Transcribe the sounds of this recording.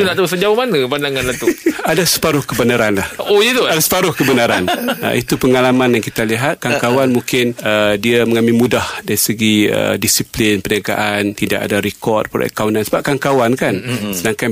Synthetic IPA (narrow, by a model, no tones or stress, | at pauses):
unaʔt̪as̬əd͡ʒawamanə̃pandaŋanlat̪uadasə̥paɾʊhkəbənaɾanlahojit̪uadasə̥paɾʊhkəbənaɾanə̰it̪upəŋalamanjaŋkit̪aliɦat̪̚kaŋkawanmũŋkɪnədiaməŋamilmudahdaɾisəɡiə̰disiplɪnpəniaɡa̰ʔant̪idaka̰daɾikɔrt̚pəɾa̰ʔa̰kawnansəbap̚kaŋkawankansənãŋka